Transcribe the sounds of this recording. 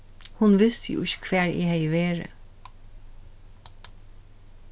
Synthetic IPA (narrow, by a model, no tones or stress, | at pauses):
hʊnʋɪst̪əjʊ̰ɪçə̥kʰʋæːɹḛhɛjʋeːɹə̰